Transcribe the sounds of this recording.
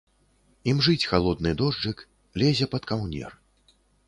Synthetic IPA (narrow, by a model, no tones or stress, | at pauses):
imʐɨt͡sʲxalˠɔd̪̚nɨd̪ɔʐd͡ʐɨk | lʲɛzʲɛpɐt̪kawnʲɛ̰r